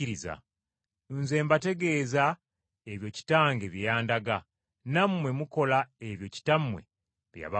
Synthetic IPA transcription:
iɾiza̰ | nze̞ːmbate̞ɡe̞ːza | eβjo̞ci̥taːŋɡe̞βijaːndaɡa | namːwe̞muko̞laeβjo̞ci̥tamwḛ | βja̰βa

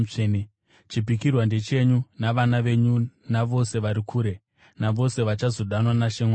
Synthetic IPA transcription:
en | t͡ʃipikirwande̞t͡ʃe̞ɲunaʋanaʋe̞ɲunaʋo̞se̞ʋaɾikʰuːɾe̞ | naʋo̞se̞ʋat͡ʃazo̞ɗanwanaʃeŋwaː

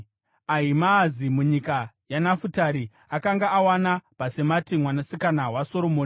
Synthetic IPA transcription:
aɦimaːzimuɲika | janafutaɾi | akaŋɡaʔːwanapase̞matimwanasikanawaso̞ɾo̞moːn

